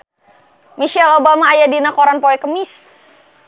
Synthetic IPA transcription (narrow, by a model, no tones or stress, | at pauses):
miʃɛlobamaːjadinakoɾanpoɛkəmis